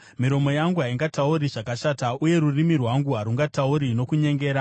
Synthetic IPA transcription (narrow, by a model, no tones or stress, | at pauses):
miɾo̞mo̞jaŋɡuɦaiŋɡatauriʐakaʃatauje̞ɾurimirwaŋɡuɦaɾuŋɡatauɾino̞kuɲe̞ŋɡe̞ːɾa